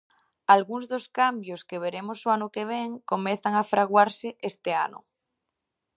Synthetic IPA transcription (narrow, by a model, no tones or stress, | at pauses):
alɣuŋzðoskambjoskeβ̞eɾemosoanokeβ̞eŋkomeθaŋafɾaɣwaɾseʔest̪ea̰no̰